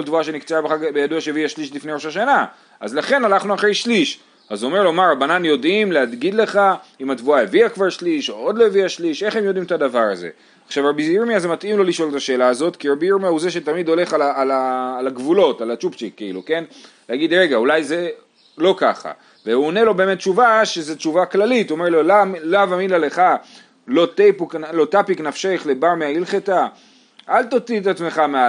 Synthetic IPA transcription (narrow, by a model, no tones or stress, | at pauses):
olt̪vuaʃe̞nikt͡seabeχaɡbejaduaʃejeviaʃliʃlifnejʁo̞ʃaʃana | ʔa̰zlaχe̞nanaχnuaχʁe̞jʃliʃ | azo̞me̞ʁlomaʁabananjo̞dimlead̪ɡid̪le̞χaimat̪vuaeviakvaʁʃliʃoodlojeviaʃliʃe̞χe̞mjo̞d̪imet̪adavaʁaze̞̰ | aχʃavʁabiziɾmiazemat̪ʔimlo̞liʃo̞let̪aʃe̞ːlaːzo̞t̪kiʁabiiʁmijahuzeʃet̪amid̪o̞le̞χalaalaːlaɡvulo̞talat͡ʃupt͡ʃikːaḭlṵke̞n | leaɡid̪ʁe̞ɡaulajze̞ | lo̞ka̰χa̰ | veuone̞lo̞be̞ːme̞t̚ːt͡ʃuvaʃezet͡ʃuvaklalituome̞ʁlolalavaminlale̞χa | lo̞t̪ejpuklo̞tapiknafʃeχlebaʁmeailχeta | ʔalt̪ot͡sitat͡sme̞χamea